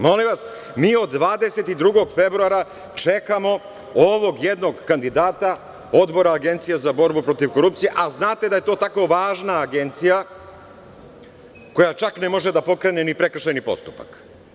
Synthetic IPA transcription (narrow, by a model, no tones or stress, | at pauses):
molimʋas | miːo̞d̪ːʋaːd̪e̞se̞t̪id̪ɾuɡoɡfe̞bɾuaɾa | t͡ʂe̞kamo̞ | oʋo̞ɡjed̪no̞ɡkand̪id̪aːt̪a | o̞d̪bo̞ɾaːɡe̞nt̪sijazabo̞ɾbupɾo̞t̪iʋko̞ɾup̚tsijeʔaznaːt̪e̞d̪aje̞t̪o̞ːt̪akoʋaːʒnaːɡe̞nt̪sija | ko̞jat͡ʃaknemo̞ʒed̪apo̞kɾe̞ne̞nipɾe̞kr̩ʃajnipo̞̰st̪u̥pa̰k